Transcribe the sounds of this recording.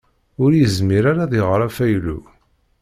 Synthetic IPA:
ʊɾjəzmiɾaɾaðiʁɾˤafæjlṵ

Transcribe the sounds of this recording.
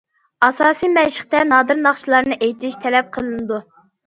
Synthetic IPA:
ɑsɑːsijmɛʃɪχt̪ɛnɑːd̪ɨɾnɑχt͡ʃʰilˠɑɾnɨʔejt̪ʰɪʃt̪ʰɛlɛp̚qʰəlˠɨnɨd̪u

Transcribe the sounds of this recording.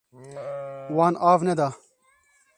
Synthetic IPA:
waːnʔaːvnɛd̪aː

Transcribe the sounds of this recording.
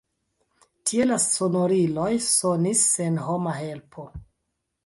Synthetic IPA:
tʰie̞lassonoɾilojsonisenɦo̞maɦe̞lpʰo̞

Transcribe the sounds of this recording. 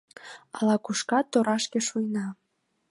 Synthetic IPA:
ɑlɑkuʃkɑt̪ːoɾɑʃkeʃujnɑ

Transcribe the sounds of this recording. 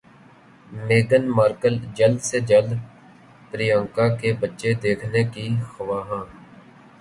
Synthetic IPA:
meːɡənmaːɾkəld͡ʒəld̪sed͡ʒəl | pɾijãːŋkakebətːʃed̪eːkʰnekixəʋaːɦãː

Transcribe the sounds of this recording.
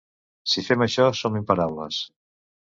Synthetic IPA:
sifɛməʃɔsomimpəɾawlə̰s

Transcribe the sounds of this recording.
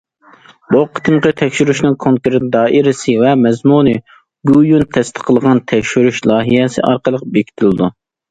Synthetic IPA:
boqʰə̥t̪ʰɨmqət̪ʰɛkʲʃyɾyʃnɨŋkʰoŋkuɾt̪̚d̪ɑːʔiɾɪsɪvɛmɛzmunɨ | ɡʲujunt̪ʰɛst̪ʰɨ̥qʰːəlˠəʁɑnt̪ʰɛkʲʃyɾyʃlˠɑːɦijɛsɨ̰ʔɑɾqəlˠəqbekʲʰi̥t̪ʰɪlɪd̪u

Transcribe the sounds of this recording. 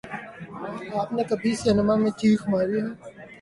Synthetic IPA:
aːp̚nekəbʱiseːnəmãːmẽːt͡ʃʰiːxmaːɾiːɦɛː

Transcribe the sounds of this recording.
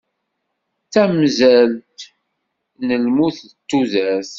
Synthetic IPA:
t͡sːæmzælt̪ | nəlmuθt̪ːuzæs

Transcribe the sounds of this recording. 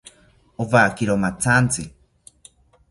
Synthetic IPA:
oβakiɾomat͡sʰant͡si

